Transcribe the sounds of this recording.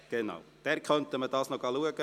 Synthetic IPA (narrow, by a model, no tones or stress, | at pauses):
ɡ̥əna̰ʊd̥ɛɾkʰœntəmədɑsnɔkɑluəɡə